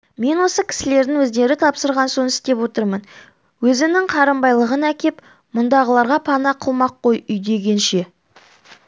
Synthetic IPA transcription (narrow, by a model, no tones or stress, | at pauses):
me̞nwo̞səkʲʰɪ̥sɪle̞ɾd̪ɪŋwɵzd̪e̞ɾɪt̪ʰɑpsəɾʁɑnso̞nɪ̥st̪e̞pwo̞t̪əɾmən | wɵzɪnɪŋqʰɑɾəmbɑjlˠəʁənækʲe̞p | mʊnd̪ɑʁəlˠɑɾʁɑpʰɑnɑqʰəlˠmɑqʰːo̞jʏjd̪e̞ɡʲe̞nʃe̞